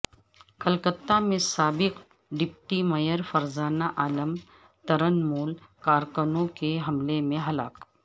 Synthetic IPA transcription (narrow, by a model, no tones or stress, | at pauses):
kɐlkət̪ːamẽsaːbɪq | ɖɪp̚ʈimɐjəɾfɐɾzaːnaʔaːləm | t̪ɐɾənmuːlkaːɾkənõkeɦɐmlemẽɦɐla̰ːk